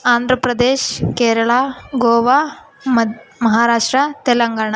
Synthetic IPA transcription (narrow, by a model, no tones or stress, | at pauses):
aːnd̪ʱɾɐpɾɐd̪eːʃkeːɾɐɭaːɡoːʋa | mɐmɐɦaːɾaːʂʈɾɐt̪elɐŋɡaːɳa